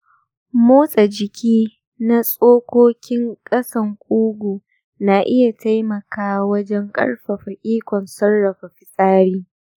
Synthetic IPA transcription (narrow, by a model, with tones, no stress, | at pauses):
muː˦sʼa˨d͡ʒɪ˨kʲʰiː˦ | na˦sʼoː˦kʷoː˦kʲɪ˦ŋkʼɐ˦sɐ˨ŋkʷʼuː˦ɡʷuː˨ | na˨ʔɪ˦ja˨ta˦jmɐ˨kaː˦wɐ˦d͡ʒɛ˦ŋkʼɐ̰˦ɽɸa˨ɸɐ˨ʔʲʼiː˦kʷɔ˨nsɐ˦nːɐ˨ɸa˨ɸɪ˨sʼaː˦ɾiː˦